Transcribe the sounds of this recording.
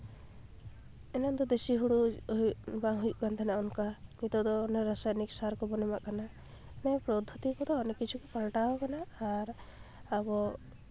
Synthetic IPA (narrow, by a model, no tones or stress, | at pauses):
ɛnand̪ɔd̪esiɦuɽuuʔbaŋɦujuʔkant̪ʰɛnaʔɔnkamit̪ɔd̪ɔːnɛɾasajniksaɾkɔbɔnɛmaʔkana | nɛpɾɔd̪ʱːut̪ikɔd̪ɔːnɛkit͡ʃʰukɛkalʈaɦɔkanaːɾ | abɔ